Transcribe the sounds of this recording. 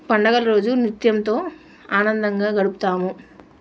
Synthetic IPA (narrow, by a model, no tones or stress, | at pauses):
pɐɳɖɐɡɐlɐɾo̞ːd͡ʒunit̪jɐmt̪o̞ː | aːnɐnd̪ɐŋɡaːɡɐɽupu̥t̪aːmu